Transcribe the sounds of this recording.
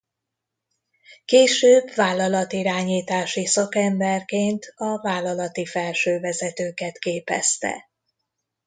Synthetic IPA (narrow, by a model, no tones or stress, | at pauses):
keːʃøːbvaːlːɒlɒt̪iɾaːɲiːt̪aːʃisɒkɛmbɛrkeːnt̪ɒvaːlːɒlɒt̪ifɛlʃøːvɛzɛt̪øːkɛt̪keːpɛ̰st̪ɛ̰